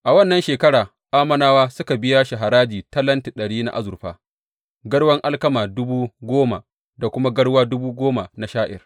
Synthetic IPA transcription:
ʔa˨wɐ˦nːɐ˦nʃeː˨kɐ˦ɽaː˨ | ʔaː˦mɐ˨naː˦waː˦sʊ˦ka˨bɪ˦jaː˦ʃa˨ɦa˨ɾaː˦d͡ʒiː˨tɐ˦lɐ˦nti˨ɗɐ˨ɽiː˦na̰˦ʔa̰˦zʊ˨ɸaː˦ | ɡɐ˦ɽwɐ˦ŋʔa˦lkɐ˦maː˨dʊ˦buː˦ɡʷoː˦ma˨ | da˨kʷʊ˦ma˦ɡɐ˦ɽwaː˦dʊ˦buː˦ɡʷoː˦ma˨na˨ʃaː˦ʔɪ̰˨r

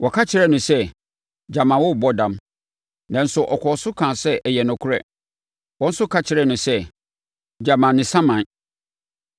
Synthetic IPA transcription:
wɔ˨kʰa˦t͡ɕʰɪ˦ɾɛ˦nʊ̃˨sɛ˦ | d͡ʑa˨mã˨wɔ˦˨bɔ˦dã˨m | nã˨n̩˨sʊ˨ʔɔ˨kʰɔ˨sʊ˦kʰã˨sɛ˦ʔɛ˨jɛ˨nʊ̃˨kʰʊ˦ɾɛ˦ | wɔ̃˦n̩˦sʊ˦kʰa˦t͡ɕʰɪ˨ɾɛ˦˨nʊ̃˨sɛ˦ | d͡ʑa˨mã˨nɪ̃˨sã˦mã˨n˦

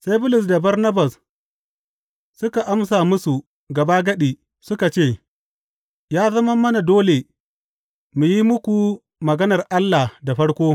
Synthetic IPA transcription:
sa˦jbʊ˦lʊ˨s̬da˨bɐ˦rnɐ˦bɐ˨s | sʊ˦ka˨ʔa˦ms̬aː˨mʊ˦su˨ | ɡɐ˨baː˦ɡɐ˦ɗi˨ | sʊ˦ka˨t͡ʃeː˦˨ | jaː˦zɐ˦mɐ˦mːɐ˦na˨doː˦le˨ | mu˨ji˦mʊ˦kʷu˨ | mɐ˨ɡɐ˦nɐ˨rʔa˦lːa˨da˨ɸɐ˦ɽkʷoː˦

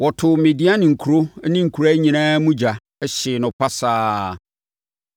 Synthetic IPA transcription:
wɔ˨tʰʊ˨me˨di˦a˦nɪ̃˨ŋ̩˨kʰu˨ɾo˦nɪ̃˦ŋ̩˨kʰu˨ɾa˦ɲĩ˨ñã˦mũ˦d͡ʑa˨ | ɛ˦ɕɪ˨nʊ̃˨pʰa˦saː˦˨

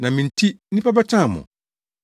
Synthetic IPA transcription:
nã˨mĩ˨n̩˨tʰi˦nĩ˦pa˦ba˦t͡ɕʰã˦˨mɔ̰̃˨

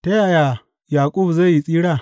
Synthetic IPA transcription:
te˦ja˨ja˨ | jaː˨kʼu˦bza˦˨ji˨t͡sʼiː˦ɽa˦˨

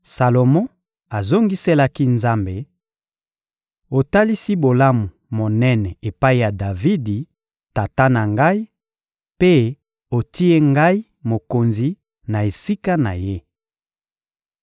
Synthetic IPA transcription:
sa˨lo˨mɔ̃˦ | a˨zo˦ŋɡi˦se˦la˦ki˦nza˦mbe˨ | o˨ta˦li˦si˦bo˨la˦mu˨mo˨nɛ˦nɛ˨e˨pa˦i˦ja˨da˨vi˦di˨ | ta˨ta˦na˨ŋɡa˦i˦ | pe˦ | o˨ti˦e˦ŋɡa˦i˦ | mo˨ko˨nzi˨ | na˨e˨si˦ka˦na̰˨je˦

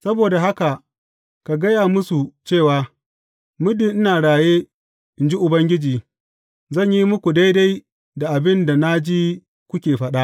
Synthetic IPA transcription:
sɐ˦boː˨da˨ɦa˦ka˨ | ka˨ɡɐ˦jaː˨mʊ˦su˨t͡ʃeː˦˨waː˨ | mʊ˦dɪ˨nʔɪ˦naː˨ɽaː˨jeː˦ | ɪ˨nd͡ʒi˦ʔʊ˨bɐ˦ŋɡʲɪ˦d͡ʒiː˨ | zɐ˦˨ɲji˦mʊ˦kʷu˨da˦jda˦j | da˨ʔa˨bɪ˦nda˨na˦d͡ʒiː˦ | kʷʊ˦kʲeː˨ɸɐ˦ɗa˦

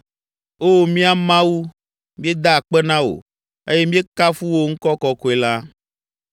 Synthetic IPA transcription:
o˦˨mĩ˦a˨mã˦wu˦ | mĩ˦e˦d̪a˦a˨k͡pɛ˦nã˦o̰˨ | e˦je˦mĩ˦e˦ka˦fu˦wo˦ŋ̩˦kɔ˦kɔ˦ko˨˦e˨la˦

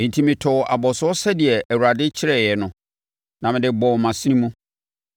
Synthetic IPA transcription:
ẽ˨n̩˨tʰi˦mɪ̃˨tʰɔ˨ʔa̰˨bɔ˨sʊ˦ɔ˦sɛ˦dɪ˨ɛ˨æ˨wu˨ɾa˨dɪ˦t͡ɕʰɪ˦ɾɛ˦˨jɛ˨nʊ̃˨ | nã˨mɪ̃˨dɪ˨bɔ˨mã˨si˦nĩ˦mũ˦

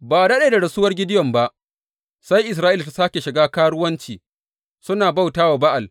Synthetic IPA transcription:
baː˨dɐ˦ɗeː˨da˨ɽɐ˨sʊː˦wɐ˦rɡʲɪ˦dɪ˦jɔ˨mba˦ʔ | sa˦jʔɪ˨s̬ɾaː˦ʔi˦lta˨saː˦kʲe˨ʃɪ˨ɡaː˦kaː˦ɽʊ˦wɐ˦nt͡ʃiː˨ | sʊ˦naː˨ba˦˨wtaː˦waː˨ba˦ʔa˨l

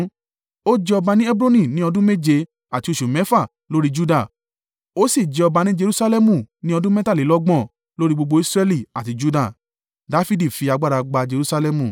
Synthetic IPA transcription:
o˦d͡ʒɛ˧ɔ˧ba˧nĩ˦ɛ˦bɾo˦nĩ˦˨nĩ˦ɔ˧dũ˦me˦d͡ʒe˧ | a˨ti˨˧o˧˨ʃu˨mɛ̃˨˦fa˦˨ | lo˦ɾi˦d͡ʒu˦da˦˨ | o˦si˦˨d͡ʒɛ˨˧ɔ˧ba˧nĩ˦d͡ʒe˧ɾu˦sa˦lɛ˦mũ˨nĩ˦ɔ˧dũ˦mɛ˦ta˦˨li˨˦lɔ˦ɡ͡bɔ̃˦˨ | lo˦ɾi˦ɡ͡bo˧ɡ͡bo˧i˦sɾɛ˧li˨a˨ti˧d͡ʒu˦da˦˨ | da˨˦fi˦di˦˨fi˧a˧ɡ͡ba˦˧ɾa˧ɡ͡ba˧d͡ʒe˧ɾu˦sa˧lɛ˧mũ˨

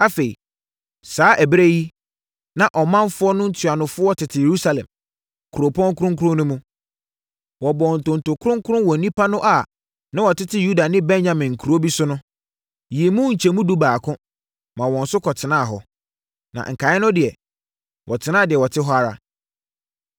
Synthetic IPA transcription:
a˦fe˨ḭ˨ | saː˨˦ʔæ˨bɾe˦ji˦ | nã˨ʔɔ˨mã˦nfʊ˦ɔ˦nʊ̃˦n̩˦tʰɥa˨nʊ̃˨fʊ˦ɔ˦tʰɪ˨tʰɪ˨je˨ɾu˦sa˨lɛ̰̃˨m | kʰu˨ɾo˨pʰɔ̃˦ŋ˦kʰʊ˦ɾʊ̃˦ŋ˦kʰʊ˦ɾʊ̃˦nʊ̃˦mũ˦ | wɔ˨bɔ˨n̩˨tʊ̃˨n̩˨tʊ˨kʰʊ˦ɾʊ̃˦ŋ˦kʰʊ˦ɾʊ̃˦wɔ˨nĩ˦pʰa˦nʊ̃˦ʔa˨ | nã˦wɔ˨tʰɪ˦tʰɪ˦ju˦da˨nɪ̃˦bɛ̃˦nɲã˨mɪ̃˨ŋ̩˨kʰu˨ɾu˨˦o˦bi˦sʊ˦nʊ̃˦ | ji˨e˨mũ˦ɲ̩˨t͡ɕʰɛ˨mũ˦du˦baː˨kʰʊ̃˦ | mã˨wɔ̃˨n̩˨sʊ˦kʰɔ˨tʰɪ˨nã˦a˨ɦɔ˨ | nã̰˨ŋ̩˨kʰa˨˦ɪ˦nʊ̃˦dɪ˨ɛ˨ | wʔɔ̰˨tʰɪ˨nã˦˨dɪ˨ɛ˨wɔ˨tʰɪ˦ɦɔ˦a˨ɾa̰˨

